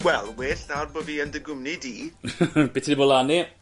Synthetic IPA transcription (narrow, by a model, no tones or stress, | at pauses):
wɛlˠweːɬnawdboviːəndəɡʊmnidiːb̥ɪtʰidibolani